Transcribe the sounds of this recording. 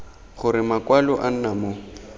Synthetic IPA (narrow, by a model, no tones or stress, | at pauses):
χʊɾɪmakwalɔʔan̩namo